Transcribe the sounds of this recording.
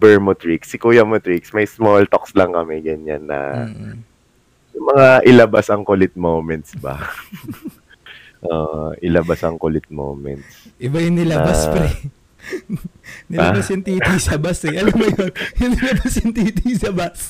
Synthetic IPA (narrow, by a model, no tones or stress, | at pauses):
bɛɹmot̪ɹiksːɪkuːjɐmot̪ɾiksmɐjsmolt̪okslɐŋkɐmɛɡɐɲa̰nːɐ̰ | sɐmɐŋaʔɪlɐbasɐŋkolɪt̪̚mowmɛnt̪̚sbɐ̰ | ʔo̰ʔʔɪlɐbasɐŋkolɪt̪̚mo̰wmɛ̰nt̪̚sʔɪbajʊŋnɪlɐaspɛ | nɪlɐbasjʊŋt̪iːt̪isɐbasɛʔɐlɐmːɐjonjʊnɪlɐbasjʊnt̪iːt̪isɐbas